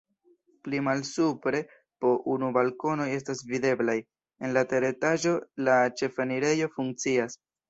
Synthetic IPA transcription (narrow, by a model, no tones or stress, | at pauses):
plimalsupɾe̞ | po̞ʔunubalko̞no̞je̞s̬tasvide̞blaj | e̞nlate̞ɾe̞taʒo̞lat͡ʃe̞faniɾe̞jo̞fuŋk̚t͡sias